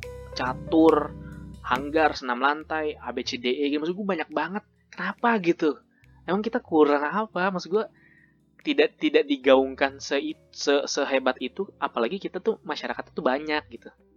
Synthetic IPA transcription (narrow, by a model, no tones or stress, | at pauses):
t͡ʃat̪ʊrhaŋɡarsənamlant̪aja̰bet͡ʃedeʔeɡit̪umas̬ɡuabaɲak̚baŋət̪̚ | kənapaɡit̪u | emaŋkit̪akuɾaŋapamasuɡua | t̪idaʔt̪idaʔ̚diɡauŋkansəi | səsəɦebat̪it̪uapalaɡikit̪at̪umaʃaɾakat̪t̪ubaɲak̚ɡit̪u